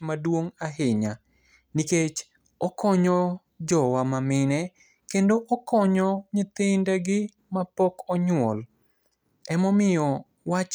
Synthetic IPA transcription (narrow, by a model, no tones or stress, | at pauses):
madwoŋaɦɪɲa | niket͡ʃ | ɔkɔɲɔ | d͡ʒɔwamamɪnɛ | kendoʔɔkɔɲɔɲɪt̪ɪndaɡɪ | mapɔkɔɲʊwɔl | ɛmɔmɪjɔ | wat͡ʃ